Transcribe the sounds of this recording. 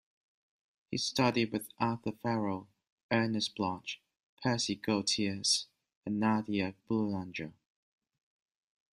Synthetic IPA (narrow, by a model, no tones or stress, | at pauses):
hḭstʌɾid̚wɪðɑˑθəfɛɹəlˠ | ɜːnəsb̥lɑt͡ʃ | pʰɜːˑsiɡoʊtʰiəs | ə̃nːadiəb̥luãnd͡ʒɹə